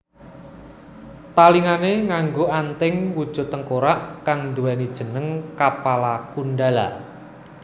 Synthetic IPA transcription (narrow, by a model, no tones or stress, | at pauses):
t̪aliŋaneŋaŋɡoʔant̪ɪŋwud̥ʒ̥o̤t̪əŋkoɾaʔkaŋnd̪uwɛnid̥ʒ̥ə̤nəŋkapalakunɖala̰